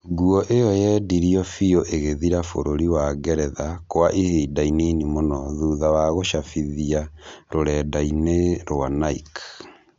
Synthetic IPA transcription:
ɡuɔʔejɔjɛdiɾiɔfioʔeɣeðiɾafoɾoɾiwaɡɛɾɛðakwaʔiheːdaininimonɔðuːðawaɣoʃafiðiaɾoɾɛdaineɾoanaik

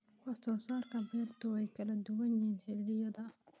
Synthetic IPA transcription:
kɑsɔːsaːrkʰɐbɛrt̪ʰʊɛjkʰɐlɐd̪ʊwɐnjiːnħɪd̪lɪjɐðɐ

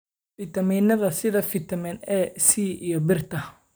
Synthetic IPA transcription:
fit̪ʰɐmiːnɐðɐsɪðɐfɪt̪ʰɐmɛnɛsiːʔijɔbɪrt̪ʰɐ

